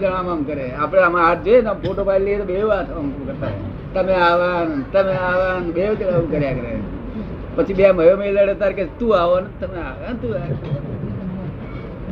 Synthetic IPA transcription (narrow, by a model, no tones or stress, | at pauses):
d͡ʒəɽ̃ãmamkəɾeapɽ̃eamãaʈ̚d͡ʒojenampoʈopailiet̪oɓeʋat̪ʰəamt̪ukəɾt̪a̰ | t̪əmeaʋant̪əmeaʋanbeʋt̪ɽaũkəɾjakəɾḛ | pət͡ʃʰibejaməjomeləɽət̪aɾket̪ũaʋant̪əmeaʋant̪ũa